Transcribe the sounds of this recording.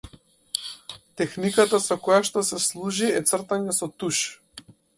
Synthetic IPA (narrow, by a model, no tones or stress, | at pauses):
t̪ɛxnikat̪asɔkɔjaʃt̪ɔsɛslˠuʒiɛt̪sr̩t̪aɲɛsɔt̪uʃ